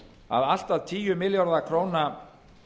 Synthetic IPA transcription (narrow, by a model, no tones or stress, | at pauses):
a̰ðal̥t̪aðt̪ʰiːjʏmɪljɔɾðakʰɾoːwna